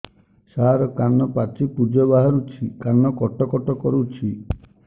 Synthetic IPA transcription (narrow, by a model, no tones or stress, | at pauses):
saɦɾɔkanːɔpat͡ʃipud͡ʒɔbaɦɔɾut͡ʃʰikanːɔkɔʈɔkɔʈɔkɔɾut͡ʃʰi